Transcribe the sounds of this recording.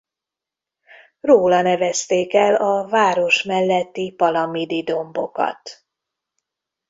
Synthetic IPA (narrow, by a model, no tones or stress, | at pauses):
roːlɒnɛvɛst̪eːkɛlɒvaːɾo̞ʃmɛlːɛt̪ːipɒlɒmid̪id̪o̞mbo̞kɒ̰t̪